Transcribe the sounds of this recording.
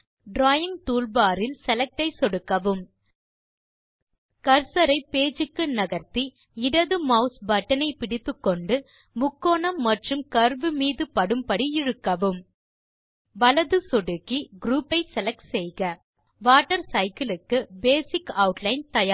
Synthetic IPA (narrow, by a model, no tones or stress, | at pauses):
ɖɾaːjɪŋʈuːlbaːɾɪlsɛlɐk̚ʈɐɪsɔɽɯkːɐʋɯm | kɐɾsɐɾɐɪpeːd͡ʒɯkːɯnɐɣɐɾt̪i | ɪɽɐðɯmɐʊsbɐʈːɐnɐɪpɪɽɪt̪ːɯkːɔɳɖɯ | mʊkːoːnɐmːɐʈrɯmkɐɾʋɯmiːðɯpɐɽɯmpɐɽiɪɻɯkːɐʋɯm | ʋɐlɐðɯsɔɽɯkːiɡɾuːpːɐɪsɛlɐk̚ʈsɛjɣɐ | ʋaːʈːɐɾsɐɪkɪlɯkːɯbeːsɪkɐʊʈlɐɪnt̪ɐjaː